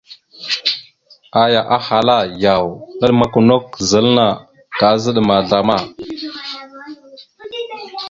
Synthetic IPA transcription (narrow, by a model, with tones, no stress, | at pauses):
a˨ja˨ʔa˦ha˨la˦˨ja˨wnə˦ɗma˦ko˨no˦kzə˨lna˨ | ɡa˨˦zə˦ɗma˨ɮa˨ma˦˨